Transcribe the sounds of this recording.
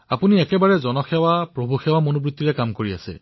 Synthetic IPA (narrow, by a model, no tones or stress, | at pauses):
apuniɛkɛbaɹɛzɔnɔxɛwapɹobʱuxɛwamonobɹut̪ːiɹɛkamkoɹia̰sɛ̰